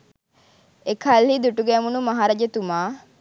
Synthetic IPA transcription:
ekʰalhid̪uʈuɡɛːmunumɐɦaːɾad͡ʒet̪umaː

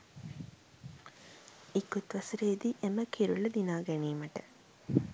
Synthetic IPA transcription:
ikːut̪ʋɐsəɾeːd̪iʔeməkʰiɾuləd̪inaːɡæniːməʈə

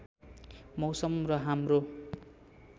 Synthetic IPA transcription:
mʌwsʌmrʌɦamro

